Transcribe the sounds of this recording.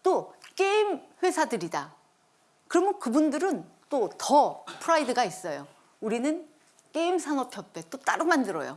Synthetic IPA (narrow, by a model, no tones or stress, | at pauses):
t͈ok͈eimɸwe̞sʰadɯɾida | kɯɾʌmjʌkɯbundɯɾɯnt͈otʌpʰɯɾaidɯɡais͈ʌjo | uɾinɯn | k͈eimsʰanʌpʰjʌpʰe̞t͈ot͈aɾumandɯɾʌ̰jo̰